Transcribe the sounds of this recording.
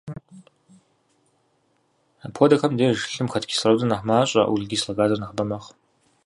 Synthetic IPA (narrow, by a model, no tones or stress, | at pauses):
apʰɔdɐxɐmdeːʒɨɬɨmxɐtkʲʰi̥srɐwzɨnaħmaːɕʼɐ̰ʔwuɮɡʲiːslɐɡaːzɐrnɐχbɐmɐχ